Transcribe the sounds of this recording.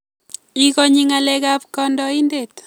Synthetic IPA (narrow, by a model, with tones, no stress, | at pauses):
i˦kɔ˦ɲi˦ŋa˨lɛ˦ka˦p̚kɔndɔi˦nde˨t